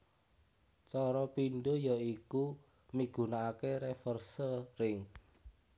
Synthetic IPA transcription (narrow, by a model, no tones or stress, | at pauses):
t͡ʃɔɾɔpinɖujaiku | miɡ̥ṳnaːkeɾɛfɔrsəɾɪŋ